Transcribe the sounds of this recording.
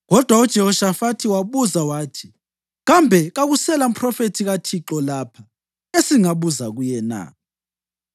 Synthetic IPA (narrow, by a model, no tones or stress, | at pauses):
ɣɔd̥ʱwaud̥ʒ̥ʱɛhɔʃafatʰiwaβuzawaːtʰi̥ | ɣambʱɛɣaɣusɛlam̩pʰʼrɔfetʰiɣatʰiǁɔlaːpʰa | esiŋaβuzaɣujɛna̰ː